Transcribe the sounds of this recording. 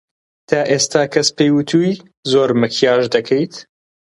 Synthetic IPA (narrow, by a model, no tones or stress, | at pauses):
t̪ʰaːʔeːst̪ʰaːkʰɐspejwut̪ʰuːj | zoːɾmɨkʰjaːʒd̪ɐkʰejt̪